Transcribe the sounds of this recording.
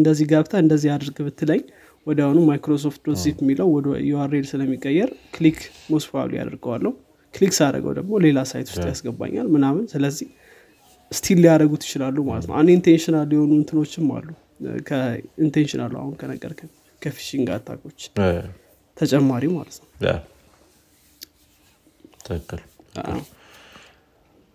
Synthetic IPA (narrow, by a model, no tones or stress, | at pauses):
ɨnd̪əzːihɡaβt̪ʰaɨnd̪əzːihad̪ɾɡbɨt̪ːɨləɲː | wɔd̪awonumajkɾo̞s̬o̞ft̪̚d̪osifmːiləwɔjɛaɾelsɨləmːikʼːəjːɛɾkʰlikʰ | mosfa̰lṵja̰d̪əɾɡəwa̰lːəhu | kliksɨaɾə̰ɡə̰wd̪ə̰ɡmo̞le̞lasa̰jt̪ʰu̥st̪ʼjasɡəba̰ɲːa̰lmɨnamɨnsɨləzːih | st̪ʰilːijaɾəɡut̪ʰjɪt͡ʃɪlalːumalət̪nə̰wʔand̪eint̪ʰenʃɪnalːujɛho̞nuɨnt̪ʰɨno̞t͡ʃːɪmma̰lːu | kʰəint̪ʰenʃɪna̰lːua̰hunkʰənəɡʼə̰ɾkʰ | kʰəfi̥ʃiŋɡa̰t̪ʰa̰kʰo̞t͡ʃː | t̪ʰət͡ʃʼɛmːaɾimalət̪nəwa̰ | t̪ʰəkːɨlʔa̰w